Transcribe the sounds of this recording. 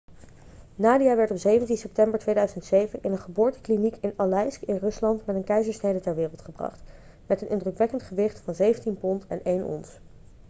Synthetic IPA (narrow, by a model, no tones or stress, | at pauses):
naːdijaːʋɛɹtɔpzejvəntinsɛp̚tɛmbəɹtʋejdœɥzəntsejvənʔɪnənχəbʊːɹtə̥klinikɪnalɛjskɪnrɵslɑntmɛtənkɛjzəɹsnejdətɛɹʋɪːrəlˠtχəbrɑ̰χt | mɛtənʔɪndrəkʋɛkəntχəʋɪχtfɑnzejvəntinpɔntɛ̰nejnɔ̰ns